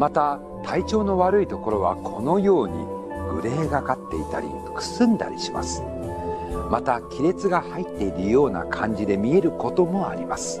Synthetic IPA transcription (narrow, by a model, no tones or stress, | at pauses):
mat̪a | t̪ʰait͡ɕo̞ːno̞βaɾɯ̟it̪o̞ko̞ɾo̞β̞a̰kʰo̞no̞jo̞ːɲ̟ḭ | ɡɯ̟ɾe̞ːɡakat̪ːe̞it̪a̰ɾʲḭ | kɯ̥sɨ̃nd̪a̰ɾʲiɕima̰sɨ̥ | mat̪akʲiɾe̞t͡sɨɡahait̪ːe̞iɾɯ̟jo̞ːna̰kʰãɲ̟d͡ʑid̪e̞mʲie̞ɾɯ̟ko̞t̪o̞mo̞aɾʲimasɨ̥